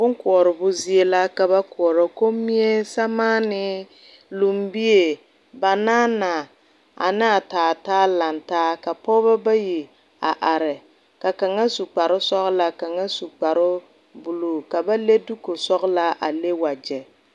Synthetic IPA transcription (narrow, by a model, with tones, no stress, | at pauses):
bʊ˦ŋkʊ˨ɔ˨ɾɪ˨bʊ˦zi˦e˦la˦ka˨ba˦kʊ˨ɔ˨ɾɔ˨ko˦mi˦e˦sa˦maː˦nɪ˦ | lu˨mbi˦e˨ | ba˨naː˦na˨ | a̰˨nɪ˦a˨taː˨taː˦la˨ntaː˦ka˨pɔ˦ba˦ba˦ji˨ | a˨ʔa˨ɾɪ˨ | ka˨ka˨ŋa˦su˨k͡pa˨ɾɪ˦sɔ˦ɣla˦ka˨ŋa˦su˨k͡pa˨ɾʊ˦ | bʊ˨lu˨ka˨ba˦le˦du˦ko˨sɔ˦ɣla˦a˨le˦wa˨d͡ʒɛ˨